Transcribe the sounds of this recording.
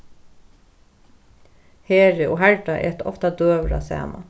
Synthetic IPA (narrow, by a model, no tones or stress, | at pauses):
heːɹəʔoːɦhæɹɖɑʔɛt̪ʰɔft̪ɑd̪øːʋɾɑ̰sæ̰ːmɑ̰